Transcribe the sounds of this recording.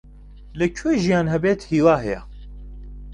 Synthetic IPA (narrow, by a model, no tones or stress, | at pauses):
lɨkʰeːʒijaːnɦɛbeːt̪hiːwaːɦɛjɛ̰